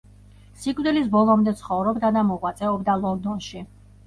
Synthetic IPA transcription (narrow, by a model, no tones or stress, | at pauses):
sikʰʼvd̪ɛlisbɔlˠɔmd̪ɛt̪sʰχɔvɾɔbd̪ad̪amɔkʼwat̪sʼɛɔbd̪alˠɔnd̪ɔnʃi